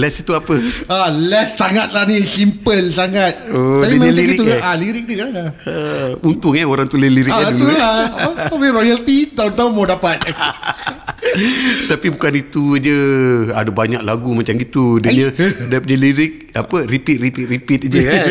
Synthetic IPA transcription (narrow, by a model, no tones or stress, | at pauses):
lɛsit̪uapəalɛsːaŋat̪̚lahnisimpəlsaŋat̪̚oapimailaiɡik̪ualiɾɪk̚dəlaaəunt̪ʊŋaoɾaŋt̪uliliɾɪat̪ulaapabiɾojalt̪it̪aʊnt̪aʊnmadapat̪̚ | t̪apibukanit̪ud͡ʒəadəbaɲak̚laɡumat͡ʃamɡit̪udəɲə̃dapuɲəliɾɪk̚apəɾipit̪̚ɾipit̪̚ɾipit̪̚d͡ʒə